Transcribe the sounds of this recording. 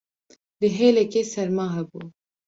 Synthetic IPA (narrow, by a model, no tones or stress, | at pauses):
leɦeːlɛkeːsɛɾmaːɦɛbuː